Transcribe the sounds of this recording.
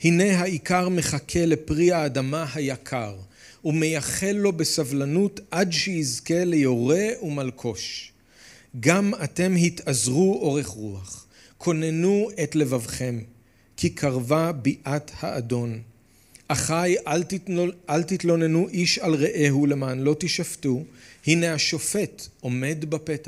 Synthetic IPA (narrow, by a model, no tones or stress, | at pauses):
hine̞ɦaikaʁme̞χakʰe̞le̞pʁiaːdamaɦajakʰaʁ | ume̞jaχe̞lːo̞be̞savlanutʔadʃejizke̞le̞jo̞ʁe̞umalkʰo̞ʃ | ɡamate̞mɦit̪azʁuʔo̞ʁe̞χʁuaχ | kʰo̞ne̞nuetle̞vavχe̞m | kʰikʰaʁvabiʔathaːdo̞n | ʔaχaj | alt̪itlo̞ne̞nuʔiʃalʁeʔeɦule̞maːnlo̞t̪iʃaftuhine̞aʃo̞fe̞tʔo̞me̞dbapet